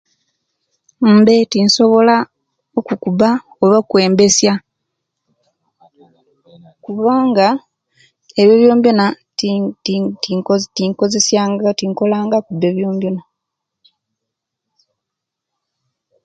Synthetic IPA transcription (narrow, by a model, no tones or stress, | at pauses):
m̩be̞tinso̞βo̞la | okukuba | oβakwe̞ːmbesja | kuβaːŋɡa | eβjoβjo̞ːmbjona | ttiŋko̞ze̞sjaŋɡatiŋko̞laːŋɡakube̞βjo̞ːmbjona